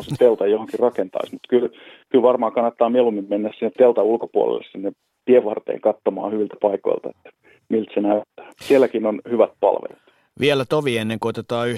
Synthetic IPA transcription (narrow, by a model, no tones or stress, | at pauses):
set̪elt̪ɑjjohoŋkirrɑkent̪ɑ̰ismut̪kylkylʋɑrmɑːkɑnːɑt̪ːɑːmielumːimmenːæssinːet̪elt̪ɑulkopuo̰lḛlːḛssinːe | t̪ieʋɑrt̪ḛːŋkɑt̪ːomɑ̰ːhyʋilt̪æ̥pɑiko̰ilt̪ɑet̪ːæ̥ | milt̪senæyt̪ːæ̥sielːˑækinonhyʋæt̪̚pɑ̰lʋḛlit̪ | ʋʔielæt̪oʋienːeŋkoot̪et̪ɑːyh